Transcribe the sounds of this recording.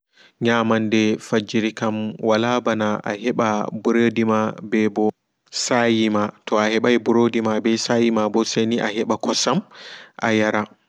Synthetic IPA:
ɲamandɛfad͡ʒiɾikamwalabanaa̰hɛɓabuɾedimabɛbɔ | sajimatɔahɛɓajbuɾodimabɛsajimabɔseniʔahɛɓakɔsamʔa̰jaɾa

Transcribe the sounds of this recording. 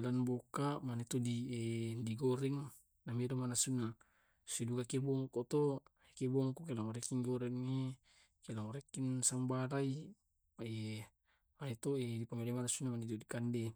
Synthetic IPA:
lanbokamanet̪odiediɡoɾɛŋ | namelemanasuna | sidukakebɔŋkot̪o | ekebɔŋkokelaŋoɾekiŋɡoɾɛŋe | kelaŋoɾekinsambalai | ae | manet̪oedipamelamanasunamanit̪odikande

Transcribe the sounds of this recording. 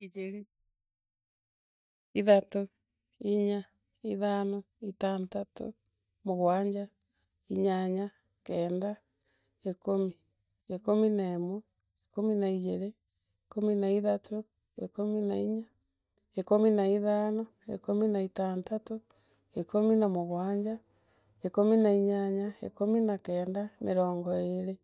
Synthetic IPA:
id͡ʒeɾi | iðato | iɲa | iðanɔ | itaːntato̰ | moɣwaɲd͡ʒa | iɲaɲa | kɛːnda | ekomi | ekominaemwɔ | ekominaid͡ʒeɾe | ekominaiðatʰo | ḛkominaiɲa | ekominaiðanɔ | ḛkominaitaːntato | ekominamoɣwaːɲd͡ʒa | ekominaiɲaɲaḛkominakɛːndameɾɔːŋɡɔeɾe

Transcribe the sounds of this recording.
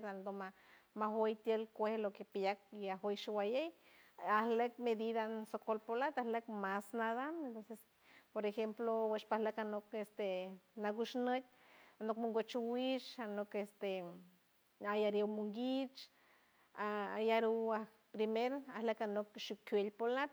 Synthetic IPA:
ɾand̪omamaɦojt̪jelkʷehlokepjak̚iaɦojʃiwajej | ahlek̚med̪iðansokolpolat̪ahlekmasnaðaent̪onses | poɾexemploweʃpahlekanokest̪enaɡuʃnət̪̚ʲ | anokmuŋɡot͡ʃuwit͡ʃanokest̪e | ajaɾewmuŋɡit͡ʃ | ajaɾiah | pɾimeɾahlekanokʃukwelpolat̪

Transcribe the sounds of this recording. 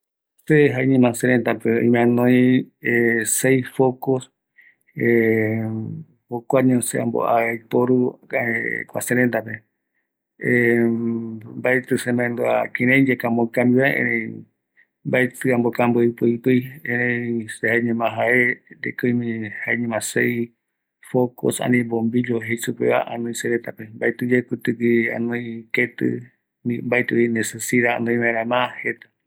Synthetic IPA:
seɦaeɲẽmãseɾẽnt̪apeo̰ĩmãnõj̃esejsfokos | e | okʷaɲõseã̰mbo̰ʔaajpoɾu | kʷa̰seɾẽnt̪ape | mbaet̪ɨsẽmbãẽnd̪ua̰kẽɾ̃ẽɲd͡ʒekãmbõkãmbiβaeʔḛ̃ɾẽ | mbaet̪ɨãmbokãmbɨipɨipɨjẽɾẽsehaeɲẽmãɦaeɾḛkɨjmĩhaeɲẽmãsej | foko̰sã̰nĩbombid͡ʒoɦejsupeβa̰ʔãnõĩseɾet̪apembaet̪ɨd͡ʒekut̪ɨɡiã̰nõj̃ket̪ɨ̰ | nimbaet̪ɨinesesiɾaã̰nd̪õĩβãẽɾãmãhet̪ḁ

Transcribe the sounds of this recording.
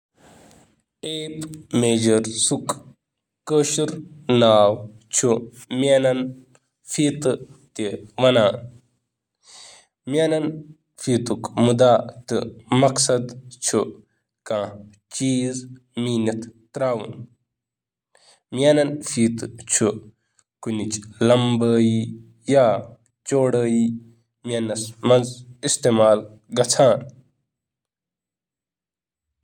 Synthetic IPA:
eːpmeːd͡ʒɐɾsuk | kəʃuɾnaːw | t͡ʃʰumʲanɐn | fiːt̪ɨt̪eʋɐnaːn | mjanɐn | fiːt̪ukmud̪aːt̪ɨmɐksɐd̪t͡ʃʰu | kãː | t͡ʃiːz | miːnɐt̪t̪ɾaːwṵn | miaːnɐnfiːt̪ɨt͡ʃʰu | kunit͡ʃlɐmbəːi | jaː | t͡ʃoːɽəːji | manɐsmɐnzist̪eːmaːl | ɡɐt͡sʰaːn

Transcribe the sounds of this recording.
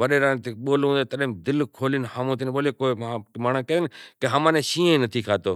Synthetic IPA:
ʋəɗeːɾãːnt̪eɓoːlũːd̪eːt̪ɐɗɦmd̪ɪlkʰoːlɪnhaːmõːt̪̬ʰinɓoːlekoːamaːɳ̃əkẽnɪkeɦəmãːnẽʃiːẽnət̪ʰiːkʰaːt̪oː

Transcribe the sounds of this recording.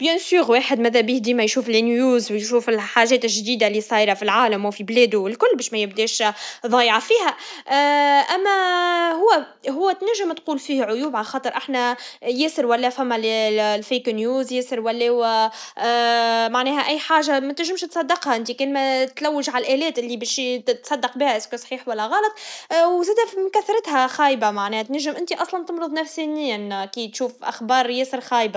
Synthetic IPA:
bjɪnsuːɣweːħɪd̪mæðæbiːhd̪iːmæjʃuːflinjuːzwjʃuːfɪlħaːʒɛːt̪ɪʒd̪iːd̪alisˤɑːjɾɑfilʕaːlamfiblɛːd̪uwɪlkʊlːbɛːʃmæjɪbd̪ɛːʃðˤɑːjʕɑfiːɦæ | ʔæmːæɦʊwːæ | ɦʊwːæt̪næʒɪmt̪quːlfiːhʕʊjuːbʕalxɑːt̪ˤəɾʔaħnæjɛːsəɾwælːɛːfæmːællfeːknjuːzjeːsəɾwælːɛːwæ | maʕnɛːɦæʔæjːħaːʒamæt̪ɪʒɪmʃt̪sˤɑd̪ːɑqhaʔɪnt̪ikɛːnmæt̪læwːɪʒʕalʔæːlɛːt̪ʔɪlːibɛːʃt̪sˤɑd̪ːɑq̚bihæʔɪskusˤħiːħwælːæɣɑːlɑt̪ˤwzæːd̪æfimkæθːɑɾˤɑt̪hæxɑːjbamaʕnɛːhæt̪næʒːɪmʔɪnt̪iʔɑsˤlɑnt̪əmɾɨðˤnæfsiniːnkiːt̪ʃuːfʔa̰xbɑːɾˤjeːsəɾxɑːjba

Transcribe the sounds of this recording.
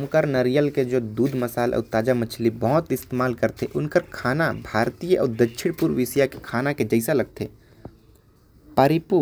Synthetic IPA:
mʊkəɾnəɾijəlked͡ʒoːd̪uːd̪məsaːlʔɔ̰ːt̪aːd͡ʒamət͡ʃʰlibɔɦʊt̪ɪst̪emaːlkəɾt̪ʰeʔʊnkəɾkʰaːnabʱaːɾt̪ijəʔɔ̰ːɾd̪ətːʃʰɪɽpuɾʋɪsijake̥kʰaːnaked͡ʒəɪsalɐɡ̚t̪ʰeː | paɾɪpu

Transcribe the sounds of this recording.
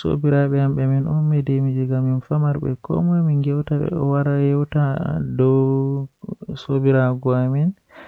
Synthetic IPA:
so̰biɾaɓɛhamɓɛminummɛdɛmid͡ʒiɡaminfamaɾɓɛ̰kʰɔ̰mɔjmiŋɡɛwtaɛ̰waɾajɛwtadɔ | sobiɾaɡɔamin

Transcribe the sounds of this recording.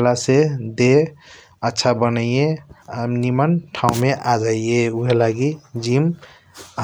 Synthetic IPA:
lased̪e | ətːʃʰabənəieənimənʈʰaũmeʔad͡ʒaieuɦelaɡid͡ʒim

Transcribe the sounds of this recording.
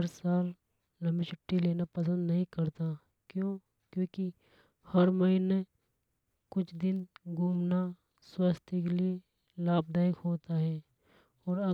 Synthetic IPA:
əɾsaːl | lɐmɪt͡ʃʰəʈːileːnapɐs̬ə̃nd̪nɐɦĩkɐɾt̪a | kjõ | kjõːki | hɐɾmɐɦɪne | kʊt͡ʃʰd̪ɪnɡʱuːmna | swast̪ʰikelie | laːb̚d̪aːɪkɦoːt̪aɦɛː | ɔːɾɐ

